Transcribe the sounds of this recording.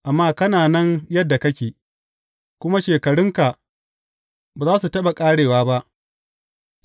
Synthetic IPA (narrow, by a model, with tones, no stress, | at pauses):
ʔa˨mːaː˦kɐ˦naː˨nɐ˦njɐ˦dːa˨kɐ˦kʲeː˨ | kʷʊ˦ma˦ʃeː˨kɐ˨ɽʊ˦ŋka˨ʔ | baː˨zaː˦su˨tɐ˦ɓa˨kʼaː˦ɽeː˨waː˦ba˦ʔ